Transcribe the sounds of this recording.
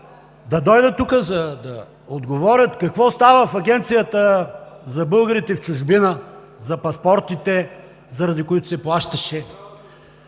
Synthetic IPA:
d̪ɐd̪ɔjd̪ət̪ukəzɐd̪ɐ | od̪ɡovɔɾʲət̪kɐkvɔst̪avəfɐɡʲɛnt̪sijət̪əzɐbɤlˠɡəɾit̪ɛft͡ʃʊʒbinə | zɐpɐspɔɾt̪it̪ɛ | zɐɾɐd̪ikoit̪ʊ̥sɛplˠaʃt̪ɐʃɛ

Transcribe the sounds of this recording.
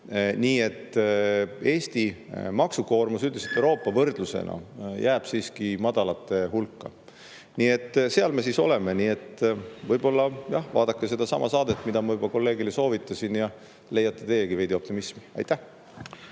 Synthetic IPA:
niːe̞t̪ˑː | e̞ːst̪imɑksuko̞ːrmusyt̪liset̪ːˑewɾo̞ːpːˑɑvɤrd̪̥lusḛnʔɑ̰jʔæːb̥siːskimɑd̪̥ɑlɑt̪ːe̞hulkːɑ̰ | niːe̞t̪ːˑse̞ɑlme̞siso̞̰le̞meniːe̞t̪ːˑvɤjb̥o̞lːɑjɑhvɑ̰ːd̪̥ɑkːˑese̞d̪ɑsɑmʔɑsɑːd̪et̪ːˑmid̪̥ɑmɑvɤjbɑko̞lːe̞ːɡileso̞ːvit̪ˑːɑsinjɑ | le̞jɑt̪ːˑe̥t̪e̞jeɡ̥ive̞jd̪̥ʲio̞p̚t̪imismi̥ɑ̰jt̪ːˑæh

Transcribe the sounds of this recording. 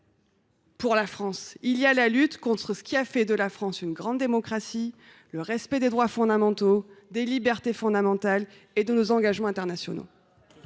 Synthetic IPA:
puʁlafχɑ̃siljalalyt̪kɔ̃t̪χəsə̥kʲiafɛd̪əlafχɑ̃synɡʁɑ̃d̪ːemɔkχasi | ləʁɛspɛd̪ed̪ʁwafɔ̃d̪amɑ̃t̪od̪elibɛʁt̪efɔ̃d̪amɑ̃t̪al | ed̪ənozɑ̃ɡaʒmɑ̃ɛ̃t̪ɛʁnasjɔ̰no̰

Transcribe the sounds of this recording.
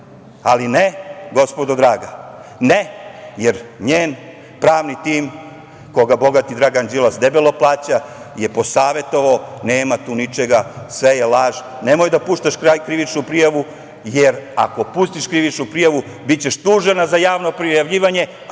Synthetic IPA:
alineɡo̞spo̞d̪od̪ɾaːɡa | nejeɾɲeːn | pɾaːʋnit̪iːm | koɡabo̞ɡat̪id̪ɾaːɡand͡ʑelasd̪e̞beloplˠaːt͡ɕaje̞po̞saːʋe̞t̪o̞ʋaoneːmat̪uːnit͡ʃe̞ɡasʋe̞jelaːʒ | ne̞mojd̪apuːʃt̪aʃkɾakɾiʋit͡ʃnupɾijaʋu | jeɾa̰ko̞puːst̪iʃkɾiʋit͡ʃnupɾijaʋu | bitt͡ɕe̞ʃt̪uːʒenazajaːʋno̞pɾijaʋʎiːʋaɲe̞

